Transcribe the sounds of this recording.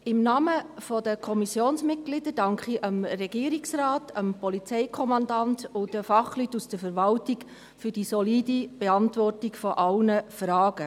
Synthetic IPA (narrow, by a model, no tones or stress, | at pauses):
ɪmnɑːməfɔdəkʰɔmisjoːnsmɪt̚ɡ̥lɪdəɾdɑŋkχiʔəmrɛɡiːəɾiksrɑːtʰəmpɔlit͡sɛɪkʰɔmɑndɑntʊd̥əfɑχlytːusd̥əfəɾʋɑltɪɡ | fʏɾd̥isɔliːdib̥eɑntʋɔrtɪɡfɔʔɑlnəfrɑːɡə